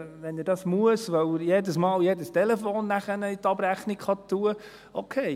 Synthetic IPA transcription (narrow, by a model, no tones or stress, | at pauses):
ʋɛnɪdɑsmuəsʋœwjedəsmɑːljedəstelɛfoːnːæχənəit̪ɑbɾæχnikχɑt̪ːuə | ʔokʰeɪ